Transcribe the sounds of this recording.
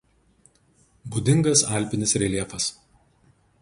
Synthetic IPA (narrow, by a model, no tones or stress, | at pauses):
bud̪ʲɪŋɡɐsɑˑlʲˑpʲɪnʲɪsɾʲɛlʲiɛfɐs